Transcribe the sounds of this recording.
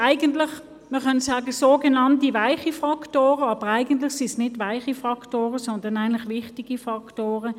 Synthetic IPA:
ʔaɪɡəntlɪχ | məχœnsɑːɡəsoːɡenɑntivaɪχifʁɑktoːʁəɑːb̥əʁæɪɡənt̬lɪχsisnɪdvaɪχifʁɑktoːʁəsɔndɐnæɪnlɪχʋɪχtiɡ̥ifɑktoːʁə

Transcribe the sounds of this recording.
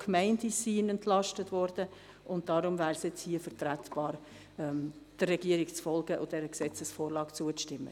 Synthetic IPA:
kʰmɛɪndisiːnɛntlɑʃtətʋɔɾd̥ə | ʔʊnt̚d̥ɑɾʊmvæːɾsjɛt͡shiəfəɾtɾætb̥ɑːɾ | ɛmd̥ərːɛɡ̥iəɾɪkt͡sfɔlɡ̥əʔʊd̥ɛɾəksɛt͡səsfoːɾlɑːkt͡suətɪmːə̰

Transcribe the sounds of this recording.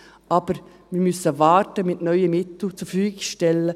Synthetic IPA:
ɑb̥əɾ | mɪɾmysəvɑːɾtəmɪtnœʏəmɪt̪l̩t͡sufyːɡɪʃtɛlːə

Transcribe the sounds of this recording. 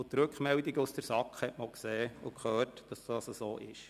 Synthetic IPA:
t̪ɾɵkχmɛldiɡəusd̥əɾsɑkχhɛtmolkseːʊ̰kχøːtd̥ɑsd̥ɑːsəsoːʔɪʃ

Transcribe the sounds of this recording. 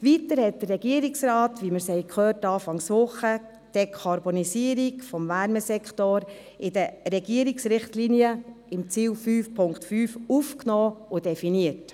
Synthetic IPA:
ʋitəɾhɛt̚d̥ərːɛɡiəɾiksɾɑːtʋiməɾshɛɪkʰχøːtɑːfɑŋsʋʊχə | d̥ekʰɑɾbonisiəɾikfɔmvæɾməsɛkχtoɾ | ɪdəɾɛɡiəɾiksɾɪχtliniə | ɪmt͡siːwfyːfpʰʊŋktfyːfufknoːʊd̥ɛfiniət

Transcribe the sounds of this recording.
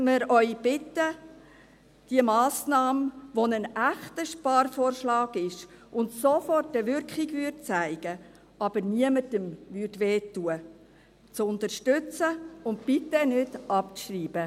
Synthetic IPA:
məɾœʏb̥ɪtːə | d̥iəmɑːsnɑːmʋonənæχtəʃpɑːrfoːrʃlɑːɡɪʃʔʊntsofɔrtəʋʏɾkχiɡʋytt͡sæɪɡ̥ə | ʔɑb̥əɾniəmətəmvytʋeːtuə | t͡sʊnt̪əɾʃtʏt͡səʊnt̚pɪtːənʏtʔɑp̚ʃriːb̥ə

